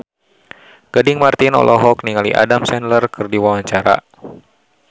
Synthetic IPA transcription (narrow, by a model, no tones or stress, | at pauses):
ɡ̥adɪŋmart̪inɔ̰lʔɔɦɔkniŋaliʔa̰damsɛnlərkɨrdiwawaɲt͡ʃaɾa̰